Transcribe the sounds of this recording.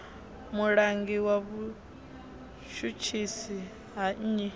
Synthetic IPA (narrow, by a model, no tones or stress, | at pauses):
muɺaŋɡiwaβu | ʃut͡ʃʰisi | ɦaɲ̩ɲɛ